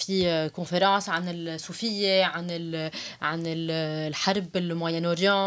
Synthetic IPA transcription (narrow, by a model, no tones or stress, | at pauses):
fikɔ̃feɾɑ̃ːsʕanɪlsːuːfɪjːeʕanɪlʕanɪllħaɾˤbɪlmwajɛnʊɾjɑ̃